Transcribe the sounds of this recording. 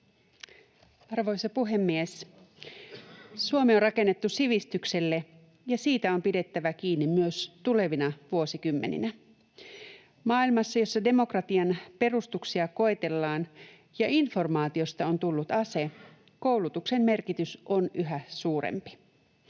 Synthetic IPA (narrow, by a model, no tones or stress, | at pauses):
ɑrʋo̞jsɑpuɦe̞mːies | suomeonrɑke̞nːe̞t̪ːusiʋist̪ykse̞lːe̞ | jɑsiːt̪æo̞mpide̞t̪ːæʋæk̟iːnːimmyøst̪ule̞ʋinɑʋuo̞sikymːe̞nḭnæ | mɑːilmɑsːɑjo̞sːɑde̞mo̞krɑt̪iɑnpe̞rust̪uksiɑko̞et̪e̞lːɑːn | jɑʔinfo̞rmɑːt̪io̞st̪ɑont̪ulːut̪ɑse̞ | ko̞wlut̪ukse̞mːe̞rkit̪ysʔonʔyɦæsuːɾḛmpi̥